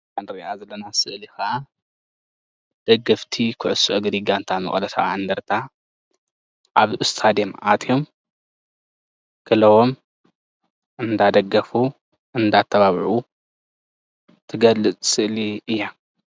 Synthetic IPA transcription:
kʰanɾiʔazɐlːɐnasɨʔlixɐʔa | d̪̥ɐɡːɐft̪ʰikʰɨʕʊsuʔɐɡd̪iɡant̪ʰamɐ̰χʼlɐt̪ʰaaʕand̪ɐɾt̪ʰa | ʔaβʔɨst̪ʰad̪emʔat̪ʰjo̞m | kʰɨlɐwom | ʔɨnd̪ad̪ɐɡːɐfu | ʔɨnd̪at̪ʰːɐβaβʕu | t̪ʰɨɡɐlɨt͡sʼsɨʔliɨjːa

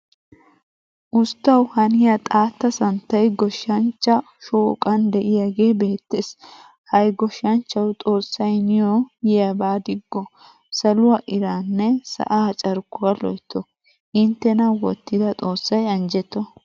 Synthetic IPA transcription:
ʔʊst̪ːɐwhɐnɪjɐt̪ʼaːt̪ːɐsɐnt̪ːɐjɡɔʃːɐnt͡ʃːɐ | ʃoːkʼɐnd̪ɛʔɪjaɡe̞ːbeːt̪ːes | hɐjɡɔʃɐnt͡ʃːɐwt̪ʼo̞ːsːɐjnɪjojɪjabaːd̪ɪɡːɔ | sɐlʊwɐʔɪɾaːnːɛsɐ̰ʔat͡ʃʼɐɾkːʊwɐlɔ̰jt̪ʰːɔ | ʔɪnt̪ːɛnɐwɔt̪ːɪd̪ɐt̪ʼo̞ːsːɐjɐnd͡ʒɛt̪ːɔ

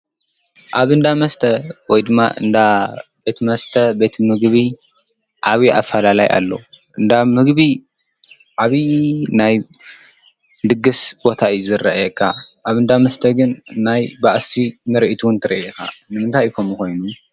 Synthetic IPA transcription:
ʔaβɨnd̪amɐst̪ʰɐwɔjd̪ɨmːa̰ʔɨ̰nd̪abet̪ʰmɐst̪ʰɐbet̪ʰmɨɡβi | ʕaβiʔa̰fːɐlala̰jʔa̰lːo̰ʔɨnd̪amɨɡβi | ʕaβinaj | d̪ɨɡːɨsbo̞t̪ʰaɨjuzɨɾɐ̰ʔjɛkʰːaʔaβɨnd̪amɐst̪ʰɐɡɨnːajbaʔsimɨɾʔit̪ʰuwnt̪ʰɨɾɐ̰ʔika̰nɨmɨnt̪ʰajkʰomuko̞jnu

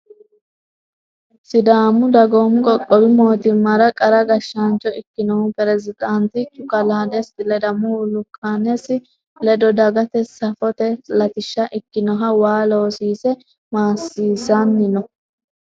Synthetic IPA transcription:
sɪd̪aːmʊd̪ɐɡoːmkʼɔkʼːɔbɪmoːt̪ɪmːɐɾɐkʼɐɾɐɡɐʃːɐnt͡ʃʼːɔʔɪkːɪnɔhʊpɛɾɛzɪd̪ɐnt̪ɪt͡ʃːʊkɐlaːd̪ɛsɪlɛd̪ɐmulʊkʰʼːaːnɛsɪ | lɛd̪ɔd̪ɐɡɐt̪ɛsɐfɔt̪ɛlɐt̪ɪʃːɐʔɪkːɪnɔɦɐwaːlo̞ːsiːsɛ | maːsːiːsɐnːɪnɔ

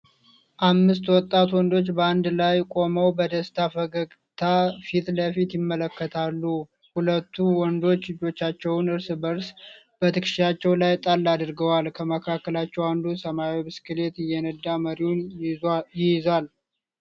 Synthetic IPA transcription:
ʔamːɨst̪wɔt̪ʼːat̪wɔnd̪o̞t͡ʃːbəand̪lajkʼo̞məwbəd̪əst̪ʰafəɡəɡ | t̪ʰafit̪ləfit̪jɪmːələkːət̪ʰalːu | hulət̪ːuwɔnd̪o̞t͡ʃːɨd͡ʒːo̞t͡ʃːat͡ʃːɛwʊnɨɾsbəɾs | b̥ət̪ʰɨkʃʃat͡ʃːɛwlajt̪ʼalːad̪ɨɾɡəwalkʰəməkʰakːəlat͡ʃːɛwand̪usəmawibɨskɨle̞t̪ɪjːɛnəd̪ːaməɾiun | jɪjal

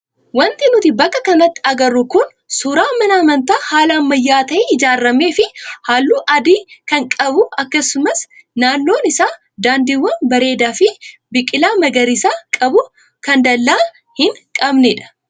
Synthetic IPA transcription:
wɐnt̪ɪnʊt̪ɪbɐkːɐkɐnɐt̪ːɪ̥ɐɡɐrːʊkʊn | suːɾaːmɐnɐɐmɐnt̪aːhaːlɐɐmːɐjːaːt̪ɐʔeɪd͡ʒaːrːɐme̞ːfɪhaːlːuːʔɐd̪iːkɐŋkʼɐbʊɐkːɐsːʊmɐsnaːnːo̞ːnɪsaː | d̪aːnd̪iwːɐnbɐɾe̞ːd̪aːfɪbɪkʼːɪlaːmɐɡɐɾɪsaːkʼɐbʊ | kɐnd̪ɐlːaː | hɪŋkʼɐbnɛᶑɐ̥

